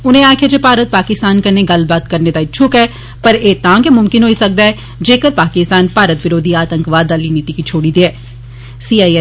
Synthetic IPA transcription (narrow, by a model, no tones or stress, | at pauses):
ʊnẽaːkʰejad͡ʒeːpaːɾət̪̚paːkɪst̪aːnkəneɡɐlbaːt̪kəɾned̪aɪt͡ʃʰʊkɛː | pəɾeːt̪ãːɡemʊmkɪnɦoːisək̚d̪aːɛː | d͡ʒeːkəɾpaːkɪst̪aːnpaːɾət̪ʋɪɾoːd̪ʱiaːt̪ə̃ŋkʋaːd̪aːliniːt̪ikit͡ʃʰoːɽid̪iɛː | siːaː